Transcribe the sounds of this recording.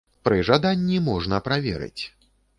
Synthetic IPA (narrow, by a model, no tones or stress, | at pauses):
pɾɨʐad̪anʲːimɔʐnɐpɾavʲɛ̰ɾɨ̰t͡sʲ